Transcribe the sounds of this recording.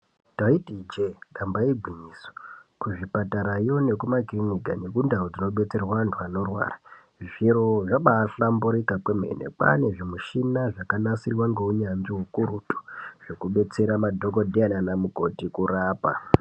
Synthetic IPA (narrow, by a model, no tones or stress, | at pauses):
taitid͡ʒeɗambaibʱwiɲiːso̥kuʐipataɾajo̞ne̞kumakiriniɡa̰ne̞kundarod͡zino̞ɓe̞t͡se̞rwantʰuano̞rwa̰ːra | ʐiɾo̞ʐaɓaːɬambuɾikapemḛnḛpa̰ne̞ʐimuʃinaʐakanasirwaŋɡeuɲanʐiɦukuɾutu̥ʐ̥ekuɓe̞t͡se̞ɾamadʱoko̞dʱiananamuko̞tikuɾaːpa̰